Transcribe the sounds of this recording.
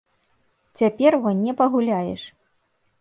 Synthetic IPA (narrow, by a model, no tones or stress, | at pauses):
t͡sʲapʲɛrvɔnʲɛpɐɣulʲajɛʂ